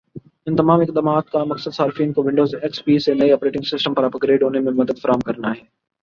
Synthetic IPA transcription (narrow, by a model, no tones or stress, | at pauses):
ɪnt̪ɐmaːmɪk̚d̪aːmaːt̪̚kamɐksəd̪saːɾfiːnkoʋɪ̃ɳɖoːzeːkspiːsẽnɐiɐpɾeːʈɪ̃ŋɡsɪsʈəmpɐɾɐpɡɾeːɖʊnemẽmɐd̪əd̪fɐɾaːmkɐɾənaːɦeː